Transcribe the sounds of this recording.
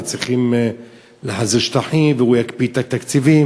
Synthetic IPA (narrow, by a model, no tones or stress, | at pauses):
t͡sʁiχim | leɦaziʃt̪aħimvehujakpit̪at̪akt͡sivi